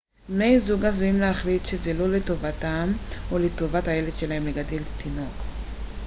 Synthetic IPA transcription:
nejzuɡazoimleaχlitʃezelo̞leto̞vatamoleto̞vatajeleʃelaɦemleɡadelt̪ʰino̞k

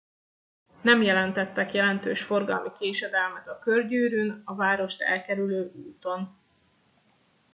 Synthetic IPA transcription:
nɛmjɛlɛnt̪ɛt̪ːɛkjɛlɛnt̪øːʃfo̞rɡɒ̰lmikeːʃɛd̪ɛlmɛt̪ɒkørɟyːɾynɒvaːɾo̞ʃt̪ɛ̰lkɛɾyløːʔṵːt̪o̞n

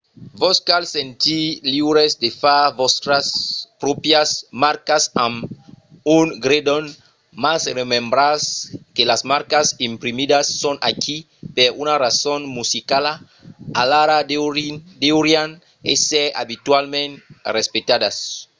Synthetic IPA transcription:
voskalsẽnt̪iliβɾesd̪efavost̪ɾaspɾopjasmaɾkasãm | uŋɡɾed̪on | masremẽmbɾaskelasmaɾkasimpɾimid̪asːonʔa̰kʰi | peɾunarasonmusikala | alaɾa | d̪euɾjan | esea̰bit̪walmẽnrespet̪ad̪as

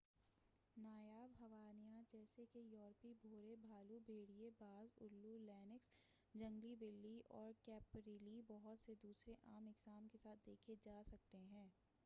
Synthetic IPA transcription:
naːjaːbɦɐʋaːnijãd͡ʒɛːsekejɔːɾpibʱoːɾebʱaːlubʱeːɽijebaːzʊ̰lːulɛːnɪks | d͡ʒɐ̃ŋɡlibɪlːiʔɔːɾkɛːpɾiːlibɔɦʊt̪sed̪uːsɾeʔaːmɪɡzaːmkesaːt̪̚ʰd̪eːkʰed͡ʒaːsɐk̚t̪eɦɛ̃ː

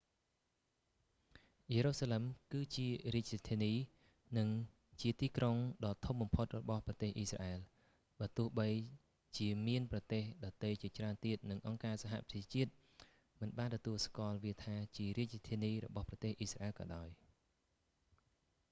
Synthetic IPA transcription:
jeːɾoːsaːlemkɨːt͡ɕiəriəc̚t̪ʰiəniː | nɨŋ | t͡ɕiət̪iːkroŋɗɑːt̪ʰumɓɑmpʰot̪̚rɔɓɑhprɑt̪eːhʔiːsra̰ʔɛːl | ɓaːt̪ʊəhɓəj | t͡ɕiəmiənprɑt̪eːhɗɑt̪əjt͡ɕiət͡ɕraənt̪iət̪̚nɨŋʔɑŋkaːsaɦa̰ʔprɑ̥t͡ɕʰiət͡ɕiət̪̚ | mɨnɓaːnt̪ɔt̪uəlskŏəlʋiət̪ʰaːt͡ɕiəɾiəc̚t̪ʰiəniːrɔ̰ɓɑhprɑt̪eːhʔiːsra̰ʔɛːlkɑ̰ːɗaɔj

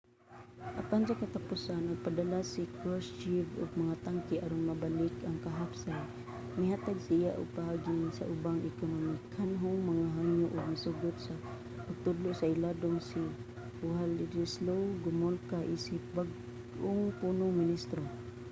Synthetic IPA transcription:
ʔapansakat̪apusanʊɡ̚padalasikɾost͡ʃivʊ̰ɡ̚maŋat̪aŋkiʔaɾʊnmabalɪkaŋkaɦapsan | mɪɦat̪aɡsijaʔʊ̰ɡ̚pahaɡinsa̰ʔʊbaŋɪkonomikʰanɦʊŋmaŋaɦaŋjʊʔʊɡ̚misʊɡʊt̪̚sa | pʊɡ̚t̪ʊdlʊʔsaɪladʊŋsi | ʊɦalɪɾislowɡʊmolkaʔisɪp̚baɡ | ʔʊŋpunʊŋmɪnist̪ɾo

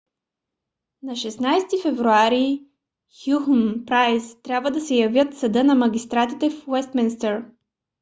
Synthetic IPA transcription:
nɐʃɛsnajst̪ifɛvɾuaɾi | xjuxnpɾajst̪ɾʲjabvəd̪ɐsɛjɐvjət̪sɐd̪ɤnɐmɐɡʲist̪ɾat̪it̪ɛfwɛst̪minst̪ɛɾ

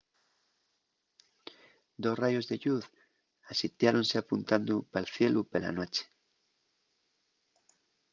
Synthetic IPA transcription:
d̪osrajozðeʎuð | asit̪jaɾõnseapũnt̪and̪upalθjelʔupela̰not͡ʃe̥

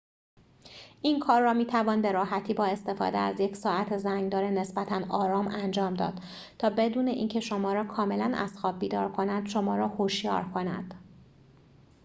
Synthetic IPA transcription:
ʔinkʰɒːrːɒːmiːt̪ʰævɒːnbe̞ɾɒːɦæt̪ʰiːbɒːe̞st̪e̞fɒ̰ːd̪eæzje̞cʰsɒːæt̪ʰezæŋɡd̪ɒːɾene̞sbæt̪ʰænɒːɾɒːmænd͡ʒɒːmd̪ɒ̰ːd̪̥ | t̪ʰɒːbe̞d̪uːne̞ʔiːncʰe̞ʃo̞mɒːɾɒːkʰɒːme̞lænæ̰sxɒːb̚biːd̪ɒ̰ːɾkʰo̞næd̪̥ʃo̞mɒːɾɒːhoʃjɒ̰ːɾkʰo̞næ̰d̪̥

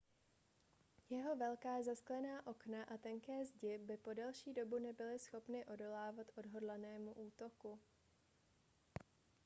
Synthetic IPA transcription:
jɛɦo̞vɛlkaːzasklɛnaːʔo̞knaʔat̪ɛŋkɛːzɟɪbɪpo̞dɛlʃiːdo̞bunɛbɪlɪsxo̞pnɪʔo̞do̞laːvat̪ʔo̞dɦo̞dlanɛːmuʔuːt̪o̞ku

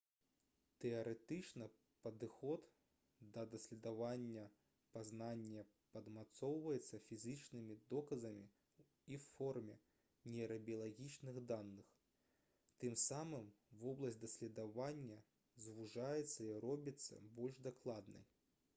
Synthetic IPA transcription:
t̪ɛɐɾɛt̪ɨt͡ʂnɐ | pɐd̪ɨxɔt̪ | d̪ɐd̪ɐsʲlʲɛd̪avanʲːɐ | paznanʲːɐ | pɐd̪mat̪sɔwvɐjɛt̪sːɐfʲizɨt͡ʂnɨmʲid̪ɔkɐzɐmʲi | iwfɔrmʲɛ | nʲɛɾɐbʲiɐlˠaɣʲit͡ʂnɨɣd̪anːɨx | t̪ɨmsamɨmvɔblˠɐsʲtʲd̪ɐsʲlʲɛd̪avanʲːɐ | zvuʐajɛt̪sːɐiɾɔbʲit̪sːɐ̰bɔlʲʐd̪aklˠad̪nɨ̰

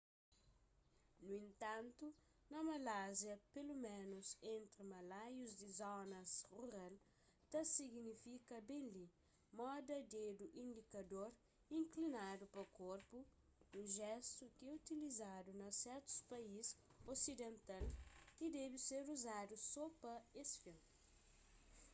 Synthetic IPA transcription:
nuẽnt̪ãnt̪u | nɐmɐlazjɐpelumẽnusẽnt̪ɾimɐlajuzd̪izɔnɐsruɾal | t̪ɐsiɡnifikɐbẽnli | mɔd̪ɐd̪ed̪uʔĩnd̪ikɐd̪oɾ | ĩŋklinadupɐkoɾpu | uʒɛst̪ukɛut̪ilizad̪unɐsɛɾt̪u̥spɐisosid̪ẽnt̪alkid̪ɛbiseɾuzadusɔpɐesfɐ̃

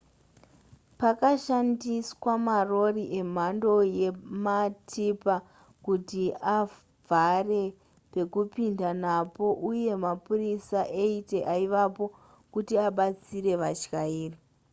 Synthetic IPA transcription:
pakaʃandiswamaro̞riʔe̞m̤ando̞je̞matʰipa | kutia | vʱare̞ | pe̞kupindanapo̞ʔuje̞mapurisaʔeite̞ʔaiʋapo̞ | kutiaɓat͡siɾe̞ʋat͡ʃkaiːri

